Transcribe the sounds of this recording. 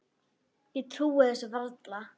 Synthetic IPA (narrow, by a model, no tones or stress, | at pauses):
it̪ʰɾuːaðɛsʏvalt̪la